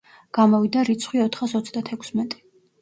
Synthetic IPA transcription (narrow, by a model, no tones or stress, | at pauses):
ɡ̥amɔvid̪aɾit̪sʰχwiɔt̪ʰχasɔt̪sʰd̪at̪ʰɛkʰsmɛt̪ʼi̥